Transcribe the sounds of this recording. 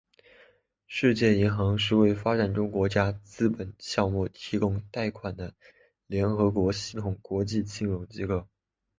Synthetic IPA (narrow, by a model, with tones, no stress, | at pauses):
ʂɻ̩˥˧t͡ɕjɛ˥˩i˧˥ŋxɑ˧˥ŋʂ̬ɻ̩˥˧we˥˩ɪfa˥ʈ͡ʂa˨˩nʈ͡ʂʊ˥ŋkwɔ˧˥t͡ɕja˥t͡sɹ̩˥pə˨˩nɕjɑ˥˧ŋmu˥˩t̪ʰi˧˥kʊ˥ŋt̪a˥˩ɪkʰwa˨˩nd̪ə˦ | ljɛ˧˥nxɤ˧˥kwɔ˧˥ɕi˧˥t̪ʰʊ˨˩ŋkwɔ˧˥t͡ɕi˥˧t͡ɕʰi˥˩ŋɻʊ˧˥ŋt͡ɕi˥kɤ˥˩